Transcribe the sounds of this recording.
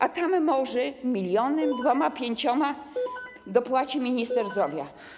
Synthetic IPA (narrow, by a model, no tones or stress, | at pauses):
ʔat̪amːɔʐɛmʲilʲjɔnɘmd̪vɔmapʲjeɲt͡ɕɔma | d̪ɔpwat͡ɕimʲiɲist̪ɛɾzd̪ɾɔvʲja